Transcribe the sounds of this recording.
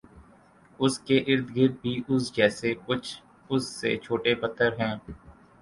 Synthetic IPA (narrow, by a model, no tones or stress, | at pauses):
ʊskeʔɪɾd̪ɡɪɾd̪̚bʱiːʔʊsd͡ʒɛːsekʊt͡ʃʰ | ʊsːḛːt͡ʃʰoːʈepət̪ːəɾɦɛ̃ː